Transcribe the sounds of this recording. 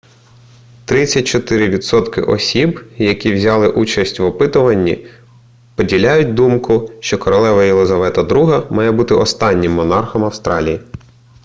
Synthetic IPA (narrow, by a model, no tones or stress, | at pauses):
t̪ɾɪt͡sʲːɐt̚ʲt͡ʃɔt̪ɪɾɪʋʲid̪sɔt̪kɪ̰ʔɔ̰sʲibjɐkʲiwzʲɑlˠɪʔut͡ʃɐsʲtʲʋɔpɪt̪ʊʋɐnʲːḭ | pɔdʲilʲajʊt̚ʲd̪umkʊʃt͡ʃɔkɔɾɔlˠɛʋɐjilˠɪzɐʋɛt̪ɐd̪ɾuɦɐmɑjɛbut̪ɪʔɔst̪ɑnʲːɪmːɔnɑrxɔmɐwst̪ɾɑ̰lʲiji